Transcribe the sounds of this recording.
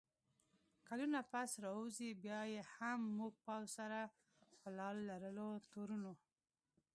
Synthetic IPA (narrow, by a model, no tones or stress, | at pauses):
kalunapasɾɑuzibjɑjehamːuɡ̚pɑwzsaɾa | pəlɑlːaɾəlot̪oɾuno